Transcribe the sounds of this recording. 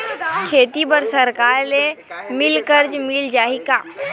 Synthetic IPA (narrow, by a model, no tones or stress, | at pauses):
kʰeːt̪ibəɾsɐɾkaːɾlemɪlkəɾd͡ʒmɪld͡ʒaːikaː